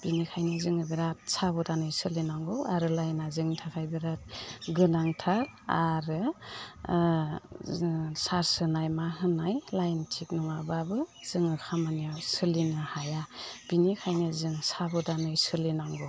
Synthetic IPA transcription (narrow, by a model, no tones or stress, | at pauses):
b̥inikʰajnɯzɯŋɯbiɾat̚sabɔdanɯjsɯlinaŋɡɯwaɾɯlajnazɯŋtʰakʰajbiɾat̚ɡɯnaŋtʰaɾa̰ɾɯ | saɾsɯnajmaɦɯnajlajntʰik̚nɔŋababɯz̥ɯŋɯkʰamaniasɯlinɯhajab̥inikʰajnɯzɯŋsabɔdanɯjsɯlinaŋɡɔ